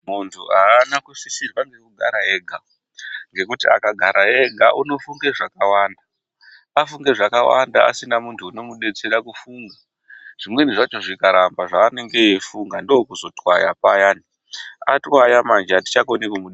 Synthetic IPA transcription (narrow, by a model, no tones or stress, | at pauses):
muntʰṵaːnakusisirwaŋɡe̞kuɡʱaɾaɦe̞ːɡʱa | ŋɡe̞kutia̰kaɡʱaɾʔaɦeɡʱaʔuno̞fuŋɡe̞ʐakawaːnda | afuŋɡe̞ʐakawa̰ndaa̰sinamuntʰuːno̞muɗe̞t͡seɾakufuːŋɡa | ʐ̥imwe̞niʐat͡ʃo̞ʐikaɾambaʐaːne̞ŋɡe̞ːfuŋɡandookuzo̞twaja̰pajaːni | atwajamand͡ʒati̥t͡ʃakonekwumuɗe